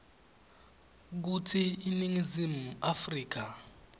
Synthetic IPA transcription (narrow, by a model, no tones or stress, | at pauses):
k̬ut͡sʰiiniŋizimuafriːk̬a